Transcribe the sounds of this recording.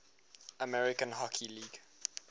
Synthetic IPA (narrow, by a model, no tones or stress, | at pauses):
əmɛɹɪkə̃nɦɔkʰiliːɡ̥